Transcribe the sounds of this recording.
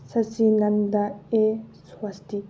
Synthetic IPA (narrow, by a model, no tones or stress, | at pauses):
sɐsilɐnd̪aeswɐst̪i